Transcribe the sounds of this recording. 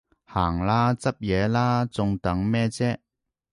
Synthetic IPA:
haː˨˩ŋlaː˥t͡sɐ˥p̚jɛː˨˧˥laː˥t͡sʊ˧ŋt̪ɐ˨˥ŋmɛː˥t͡sɛː˥

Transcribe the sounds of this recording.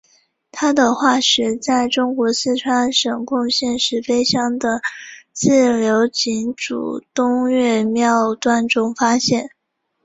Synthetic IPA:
t̪ʰa˥d̪ə˨xwa˥˩ɕɥɛ˧˥t͡sa˥˩ɪʈ͡ʂʊ˥ŋkwɔ˧˥sɹ̩˥˩ʈ͡ʂʰwa˥nʂɤ˨˩ŋkʊ˥˧ŋɕjɛ˥˧nʂɻ̩˥˩fe˥ɪɕjɑ˥ŋd̪ə˨t͡sɹ̩˥˩ljo˧˥ʊt͡ɕi˧˥ŋʈ͡ʂṵ˨˩t̪ʊ˥ŋɥɛ˥˧mjɑ˥˧ʊt̪wa˥˩nʈ͡ʂʊ˥ŋfa˥ɕjɛ˥˩n

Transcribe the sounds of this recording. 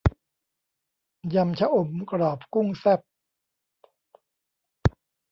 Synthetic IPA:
ja˧mt͡ɕʰa˦˥ʔo˨˩mkɾɔː˨˩p̚ku˥˩ŋsɛ˥˩p̚

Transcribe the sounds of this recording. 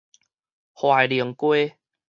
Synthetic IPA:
hwa˨˩jli˨˩əŋkwe˦

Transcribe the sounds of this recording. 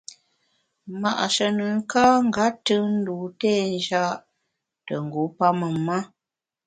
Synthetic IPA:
ma˨ʔʃə˨nə˨ŋ˦kaː˦ŋ˦ɡa˨˦tɨ˦n̩˦du˨tɛː˦˨n˦d͡ʒa˦ʔ | tə˨ŋ̩˨ɡu˨˦pa˦mə˨ma˦

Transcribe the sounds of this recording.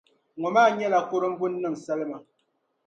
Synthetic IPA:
ŋɔ˨maː˦˨ɲɛ˦la˨ko˦ɾo˦m̩˦bu˦nː˦ɨ˦˨ŋ˨sa˦le˦ma˨

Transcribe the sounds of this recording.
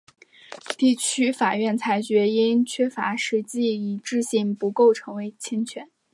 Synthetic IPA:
t̪i˥˩t͡ɕʰy˥fa˨˩ɥɛ˥˩nt͡sʰa˧˥ɪt͡ɕɥɛ˧˥i˥nt͡ɕʰɥɛ˥fa̰˧˥ʂɻ̩˧˥t͡ɕi˥˩i˨˩ʈ͡ʂɻ̩˥˧ɕi˥˩ŋpu˧˥ko˥˩ʊʈ͡ʂʰɤ˧˥ŋwe˧˥ɪt͡ɕʰɛ˥nt͡ɕʰɥɛ˧˥˦n

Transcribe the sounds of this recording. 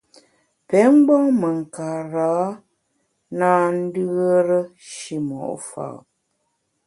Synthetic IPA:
pɛ˨˦ŋ͡m̩˦ɡ͡bɔ˦ŋmə˨ŋ̩˨kaː˨ɾaː˨˦ | naː˦n̩˦dɯ˦ə˦ɾə˦ʃi˦mɔ̰˨ʔfa̰˨

